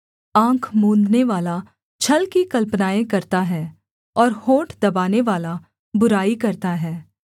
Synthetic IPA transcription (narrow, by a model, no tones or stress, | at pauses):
ãːkʰmõːnd̪neʋaːla | t͡ʃʰɐlkikɐlpnaːẽkɐɾt̪aɦɛː | ɔːɾhõːʈʰd̪ɐbaːneʋaːla | bʊɾaːikɐɾt̪aɦɛː